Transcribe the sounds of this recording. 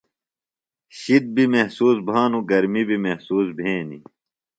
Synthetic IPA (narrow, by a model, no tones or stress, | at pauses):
ɕid̪̚bimehsuːsbʱaːnuɡɐɾmibʱimehsuːsbʱẽːnḭ